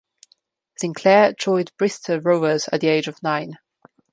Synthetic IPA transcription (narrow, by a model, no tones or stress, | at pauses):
sɪ̃ŋkʰl̥ɛːd͡ʒʰɔɪdb̥ɹɪstʰəɹoʊəz̥ə̰ʔðieɪd͡ʒəv̥nãɪ̃n